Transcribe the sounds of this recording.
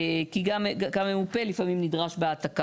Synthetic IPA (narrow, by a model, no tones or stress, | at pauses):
kiɡamaɡamemupelifamimnidʁaʃbeat̪aka